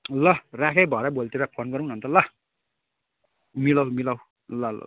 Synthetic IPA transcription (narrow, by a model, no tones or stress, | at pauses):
lʌrakʰejbʱʌɾabolt̪eɾʌpʰonɡʌɾũunʌnt̪ʌlʌ | milʌwmilaw | lʌlʌ̰